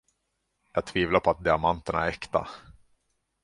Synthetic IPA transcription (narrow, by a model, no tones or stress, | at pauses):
jɑ̰ːɡ̚t̪ʰviːvlapʰɔat̪̚d̪ɪamant̪əɳa̰æɾɛkt̪a̰